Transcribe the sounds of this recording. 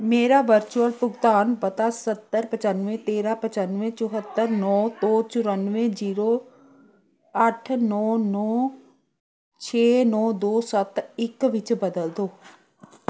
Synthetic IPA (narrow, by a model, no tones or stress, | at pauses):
meːɾaːʋəɾt͡ʃuəlpʊɡt̪aːnpət̪aːsət̪ːəɾpət͡ʃənʋẽt̪eːɾaːpət͡ʃənʋẽt͡ʃʊɦət̪ːəɾnɔːd̪oːt͡ʃʊɾənʋẽd͡ʒiːɾoː | əʈʰnɔːnɔː | t͡ʃʰeːnɔːd̪oːsət̪ɪkʋɪt͡ʃbəd̪əld̪oː